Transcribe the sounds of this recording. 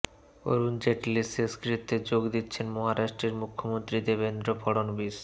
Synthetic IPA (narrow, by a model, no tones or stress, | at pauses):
o̰ɾund͡ʑeʈliseskɾit̪ʰːed͡ʑoɡd̪itːɕʰenmɔɦaɾaʃʈɾeɾmukʰːomont̪ɾid̪ebend̪ɾopʰɔɽonbis